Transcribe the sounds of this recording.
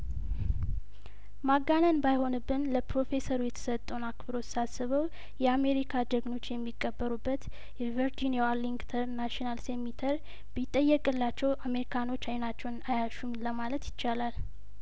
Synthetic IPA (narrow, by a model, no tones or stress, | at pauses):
maɡanənbajho̞nɨbːɨnləpɾo̞fe̞səɾujɛt̪ʰə̥sət̪ʼːəwnakbɨɾo̞sasːɨβəw | jɛame̞ɾikʰad͡ʒ̪əɡno̞t͡ʃːjɛmːikʼːəbːəɾubːət̪ | jɛveɾd͡ʒiniawalinɡt̪ʰəɾnaʃinalsemit̪ʰəɾ | bɪt̪ʼːəjːɛkʼɨlːat͡ʃːɛwame̞ɾikʰano̞t͡ʃːajnat͡ʃːɛwnajaʃumləmalət̪jɪt͡ʃːalal